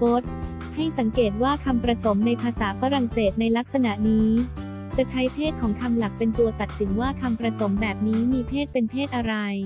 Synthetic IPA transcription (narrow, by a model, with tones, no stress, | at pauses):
po˦˥t̪̚ | ha˥˩jsa˩˦ŋkeː˨˩t̪̚waː˥˩kʰa˧mpɾa˧so˩˦mna˧jpʰaː˧saː˩˦fa˧ɾa˨˩ŋseː˨˩t̪̚na˧jla˦˥k̚sa˧na˨˩ʔniː˦˥ | t͡ɕa˨˩t͡ɕʰa˦˥jpʰeː˥˩t̪̚kʰɔː˩˦ŋkʰa˧mla˨˩k̚pe˧nt̪u˧ɐt̪a˨˩t̪̚si˩˦ŋwaː˥˩kʰa˧mpɾa˧so˩˦mbɛː˨˩p̚niː˦˥miː˧p̪ʰeː˥˩t̪̚pe˧npʰeː˥˩t̪̚ʔa˧ɾa˧j